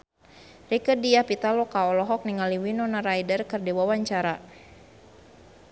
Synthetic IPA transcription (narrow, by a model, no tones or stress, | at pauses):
rikərdiahpit̪alɔkaɔlɔɦɔk̚niŋaliwinɔnaɾajdərkərdiwawaɲt͡ʃaɾa